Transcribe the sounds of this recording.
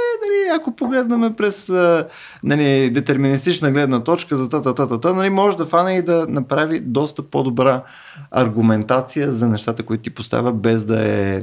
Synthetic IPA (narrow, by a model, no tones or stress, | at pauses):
ɛnɐliɐkopoɡlɛd̪nɐmɛpɾɛsə | nɐlid̪ɛt̪ɛɾminist̪it͡ʃnəɡlɛd̪nət̪ɔt͡ʃkəzɐt̪at̪at̪at̪at̪ənɐlimɔʒɛd̪ɐfanɛid̪ɐnɐpɾavid̪ɔst̪əpod̪obɾa | ɐ̰ɾɡumɛnt̪at̪sijəzɐnɛʃt̪at̪əkʊit̪ʊt̪i̥post̪a̰vʲəbɛzd̪ɐɛ̰